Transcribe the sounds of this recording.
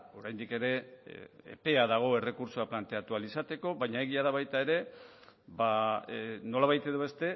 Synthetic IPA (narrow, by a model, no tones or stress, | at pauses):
o̞ɾajnd̪ike̞ɾe̞ | ḛpe̞aðaɣ̞o̞e̞re̞kuɾsoaplant̪e̞at̪ualisat̪e̞ko̞βaɲaeɣ̞iaðaβajt̪ae̞ɾe̞ | ba | no̞laβajt̪e̞ðoβe̞st̪e̞